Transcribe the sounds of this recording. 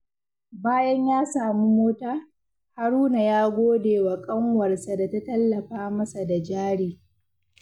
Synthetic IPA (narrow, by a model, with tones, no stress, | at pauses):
baː˦jɐ˦ɲjaː˦saː˨mu˦moː˦taː˦ | ha˦ɾuː˦na˨jaː˦ɡʷoː˦deː˨wa˨kʼɐ˦ŋwɐ˨rsa˨da˨ta˦tɐ˦lːɐ˨ɸaː˦mɐ˦sa˨da˨d͡ʒaː˦ɽiː˨